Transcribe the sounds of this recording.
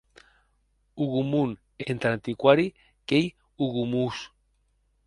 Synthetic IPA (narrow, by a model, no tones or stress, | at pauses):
uɣumun | ent̪ɾant̪ikwaɾi | kej | uɣumus